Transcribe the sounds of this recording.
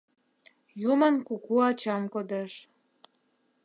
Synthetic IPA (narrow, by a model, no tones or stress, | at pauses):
jumənkukuɑt͡ɕɑmkod̪eʃ